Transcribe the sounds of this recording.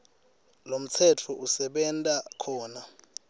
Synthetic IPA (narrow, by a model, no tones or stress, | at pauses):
lom̩t͡sʰɛtʰɔʔusɛɓɛntʼakʰɔːna